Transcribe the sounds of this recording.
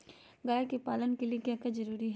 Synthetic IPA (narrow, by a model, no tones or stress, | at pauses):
ɡaːekepaːlənkeliekjãːkɐzɐɾuːɾiɦɛ